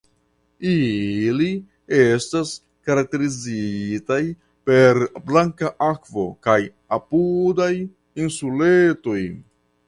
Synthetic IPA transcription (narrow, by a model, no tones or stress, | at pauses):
ili | e̞stas | kaɾak̚te̞ɾizitaj | pe̞ɾblaŋkaʔakvo̞̰kaj | apudaj | insuleto̞j